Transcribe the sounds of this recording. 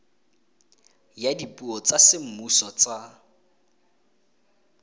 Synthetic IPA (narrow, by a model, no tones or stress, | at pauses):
jadipʼuɔt͡sasɪm̩musɔt͡sa